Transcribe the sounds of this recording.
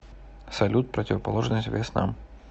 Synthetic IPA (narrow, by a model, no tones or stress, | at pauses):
sɐlʲut̪̚pɾətʲɪvəpɐlˠoʐnəsʲtʲvʲesna̰m